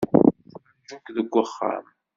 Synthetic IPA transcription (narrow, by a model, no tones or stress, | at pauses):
d͡ʒukðəɡʷːəχːa̰m